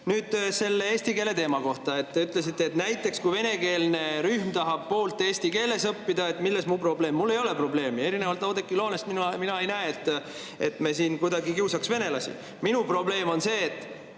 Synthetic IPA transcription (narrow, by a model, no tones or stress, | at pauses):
nyːd̪̥se̞lːeeːsʲt̪ike̞le̞t̪e̞ːmɑko̞ht̪ɑe̞t̪ːe̞yt̪ˑle̞s̬it̪ːe̞ːt̪næjt̪ːˑe̞kskujve̞ne̞ke̞ːlne̞ɾyhmt̪ɑɦɑb̥̚po̞ːlt̪ːˑe̞ːsʲt̪ike̞ːle̞sɤpːid̪ɑe̞t̪ːˑmilːe̞smupro̞ble̞ːmːulːe̞jo̞le̞pro̞ble̞ːmie̞ɾinevɑlt̪ˑɑwd̪ekˑːilo̞ːne̞st̪minuminɑejnæeet̪ːˑ | e̞̰t̪me̞siːnkud̪ɑɡikiwsɑksve̞ne̞lɑsḭ | minupro̞ble̞ːmo̞nse̞ːt̪ːˑ